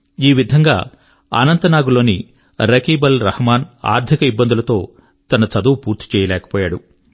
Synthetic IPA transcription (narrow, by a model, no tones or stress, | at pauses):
iːʋid̪ʱɐŋɡa̰ː | ɐ̰nɐnt̪ɐnaːɡulo̞ːni | ɾɐkiːbɐlɾɐhɐmaːna̰ːɾd̪ʰʱikɐibːɐnd̪ulɐt̪o̞ː | t̪ɐnɐt͡ʃɐd̪uːpuːɾt̪ːi̥t͡ʃɛːjɐlɛːkɐ̥pɔːjaːɽu